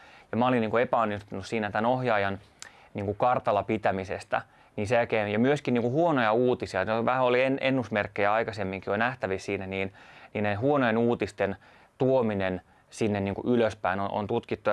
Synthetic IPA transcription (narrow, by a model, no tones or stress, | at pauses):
jɑmæolinniːŋkuepæonːist̪unussiːnæt̪ænohjɑːjɑn | niːŋkukɑrt̪ɑlɑpit̪æmisḛst̪æ̰ | niːnseækeːmjɑmyøskinniːŋkuhuonojɑuːt̪isiɑneʋæhæolienʔenːusmerkːejæɑikɑsemːiŋkionæht̪æʋissiːnæniːnniːnnehuonojenuːt̪ist̪en | t̪uominen | sinːenniːŋkṵʔyløspæinonʔo̰nt̪ut̪kit̪ːu